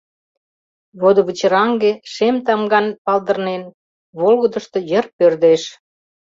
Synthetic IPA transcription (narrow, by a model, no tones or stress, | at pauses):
βod̪oβət͡ɕəɾɑŋɡeʃemt̪ɑmɡɑnpɑld̪ə̆rnen | βolɣə̆d̪ə̆ʃt̪ojə̆rpørd̪eʃ